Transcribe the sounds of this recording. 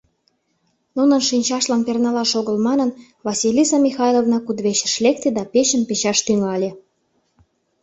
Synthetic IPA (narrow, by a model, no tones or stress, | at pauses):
nunə̆nʃinʲt͡ɕɑʃlɑnpernɑlɑʃoɣəlmɑnə̆n | βɑsilʲisɑmʲixɑjlˠovnɑkud̪βeɕə̥̆ʃlek̚t̪ed̪ɑpet͡ɕə̆npet͡ɕɑʃt̪yŋɑlʲĕ